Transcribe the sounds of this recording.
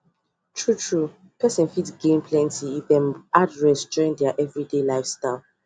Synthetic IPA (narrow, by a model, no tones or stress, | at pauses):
tʰɹutʰɹu | pʰɛsɛ̃nfitsɡẽmpʰlɛ̃ntiiðɛ̃mʔadɹɛsd͡ʒɔɹĩŋdɛaʔɛvɹidelaɪfstaɪlˠ